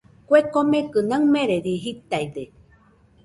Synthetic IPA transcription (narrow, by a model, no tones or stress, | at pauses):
kʷekomẽkɨnãmẽɾeɾiɦit̪aide